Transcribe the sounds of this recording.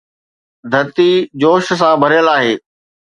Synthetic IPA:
d̪ʱɐt̪id͡ʑoːʃsãbʱɐɾjəlaːɦeː

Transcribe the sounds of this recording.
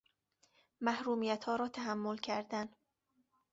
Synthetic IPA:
mæhɾuːmijæt̪hɒːɾɒːt̪ʰæɦæmːolcʰæɾd̪æn

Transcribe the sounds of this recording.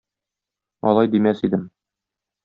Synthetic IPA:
ɒ̰lˠɑjd̪imæsid̪ɘm

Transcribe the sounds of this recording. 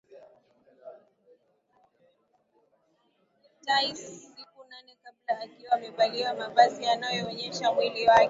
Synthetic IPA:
taisːikunanɛkablaːkiwaːmɛɓaliwamavazianajɔːɲɛʃamwiliwakɛ

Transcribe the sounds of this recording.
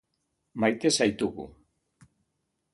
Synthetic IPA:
majt̪e̞sajt̪uɣṵ

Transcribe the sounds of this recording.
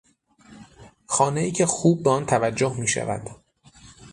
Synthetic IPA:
xɒːne̞iːcʰe̞xuːb̚ːeɒnt̪ʰævæd͡ʒːohmiːʃæ̰væ̰d̪̥

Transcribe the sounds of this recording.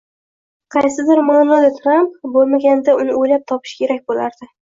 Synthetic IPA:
qʰɑjsɪd̪ɪɾmanɒlɪt̪ʰɾampbolˠmaɡʲand̪aʊnɪojlap̚t̪ʰɒpʰɪ̥ʃkʲe̞ɾak̚ʲbolaɾd̪ɪ

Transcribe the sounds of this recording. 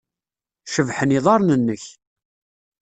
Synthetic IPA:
ʃəvħəniðˤɑɾˤnənːəç

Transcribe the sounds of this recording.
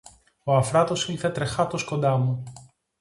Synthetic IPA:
oɐfɾɐt̪o̞silθet̪ɾexɐt̪oskond̪ɐmu

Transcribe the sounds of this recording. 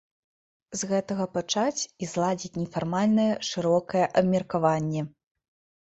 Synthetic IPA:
zɣɛt̪ɐɣɐpat͡ʂat͡sʲizlˠad͡zʲit͡sʲnʲɛfarmalʲnɐjɛʂɨɾɔkɐjɛʔɐbmʲɛrkavanʲːɛ

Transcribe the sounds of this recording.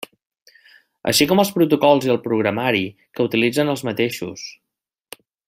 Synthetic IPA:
ə̰ʃikɔməlˠspɾut̪ukɔlˠziəlˠpɾuɣɾəmaɾi | kəut̪ilid͡zənəlˠzmət̪eʃṵs

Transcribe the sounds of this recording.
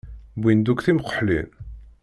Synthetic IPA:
bind̪ukθimqːə̥ħlḭn

